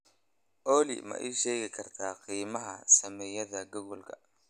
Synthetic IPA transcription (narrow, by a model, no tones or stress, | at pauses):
ʔɔːlɪ̰mɐ̰ʔɛjʃɛːɣɪkʰɐrt̪ʰaːqiːmɐɦɐsɐmɛːjɐðɐɡʊɣʊlkʰɐ̰